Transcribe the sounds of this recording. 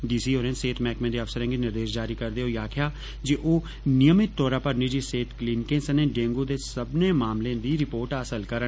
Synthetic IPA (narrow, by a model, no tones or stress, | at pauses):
ɖiːsiːoːɾẽːnseːt̪ʰmɛːkmẽːd̪eːəfsəɾɛ̃ːŋɡenɪɾd̪eːʃd͡ʒaːɾiːkəɾd̪eːoːjaːkʰɪjaː | d͡ʒeːʔoː | nɪjəmɪt̪ːɔːɾãːpəɾnɪd͡ʒiːseːt̪ʰklɪːnkẽnsəneːɖẽːŋɡoːd̪eːsəbneːmaːmlẽːd̪iːɾɪpoːɾʈəsəlkəɾə